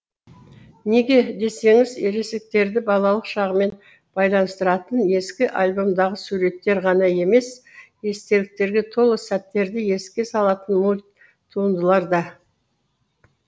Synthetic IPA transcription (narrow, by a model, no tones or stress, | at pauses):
ne̞ɡʲe̞d̪e̞se̞ŋɪzeɾesɪk̚t̪e̞ɾd̪ɪbɑlˠɑlˠəqʃɑʁəme̞n | b̥ɑjlˠɑnəst̪əɾɑt̪əne̞skʲɪʔɑlʲbo̞md̪ɑʁəsuɾe̞t̪ːe̞ɾʁɑnɑje̞me̞s | est̪e̞lɪk̚t̪e̞ɾɡʲet̪ʰo̞lˠəsæt̪ːe̞ɾd̪ɪje̞skʲe̞sɑlˠɑt̪ənmulʲ | t̪ʰːuənd̪əlˠɑɾd̪ɑ